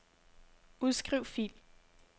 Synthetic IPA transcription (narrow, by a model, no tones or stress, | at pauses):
uðˠsɡ̥ʁiʊ̰fḭl